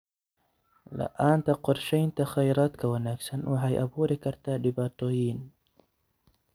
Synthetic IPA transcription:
la̰ʔaːnt̪aqʊɾʃajnt̪axajɾaːt̪kawanaksanwaɦajʔa̰buːɾikaɾt̪ad̪ɪbaːt̪ojiːn

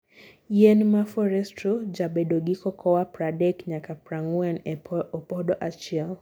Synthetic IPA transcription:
jɛnmafɔɾɛstɾɔd͡ʒaɓɛɗɔɡikɔkʰɔwapɾadɛkɲakapɾaŋuɛnɔpɔɗɔʔat͡ʃial

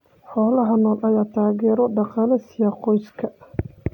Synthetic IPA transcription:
ħɔːlɐɦɐnɔːnʔɐjaːt̪ʰaːɣɛːɾɔɖɑqɑːlɛsɪjɐqɔjskʰɐ

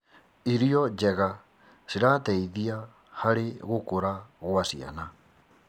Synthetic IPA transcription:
iɾiɔd͡ʒɛɣa | ʃiɾatɛiðia | haɾeɣokoɾaɣwasia̰na

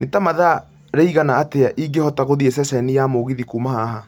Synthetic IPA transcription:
netamaða | ɾeiɣanaːteaʔiŋɡehɔtaɣoðiesɛsɛnijamoɣiðikumaɦaɦa

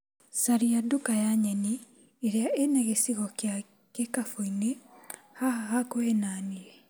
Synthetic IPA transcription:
saɾijadukajaɲɛni | eɾeaʔenaɣesiɣɔkja | kekafoinehahakohenaːniɛ

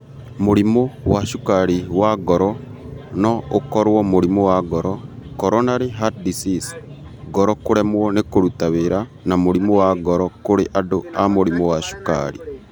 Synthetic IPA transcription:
moɾimowaʃukaɾiwaɡɔɾɔ | nɔokɔɾwɔmoɾimowaɡɔɾɔkɔɾɔnaɾeɦatdisis | ɡɔɾɔkoɾɛmwɔnekoɾutaweɾa | namoɾimowaɡɔɾɔkoɾeʔadoamoɾimowaʃu̥ka̰ɾi

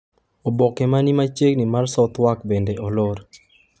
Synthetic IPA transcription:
ɔbɔkɛmanimat͡ʃeɡnimarsɔt̪wakbendeʔɔloɾ

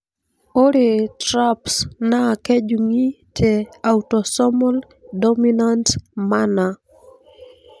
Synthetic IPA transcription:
oɾetɾapsnakɛd͡ʒuŋitʰeawtɔsɔmɔl | dɔminantmana

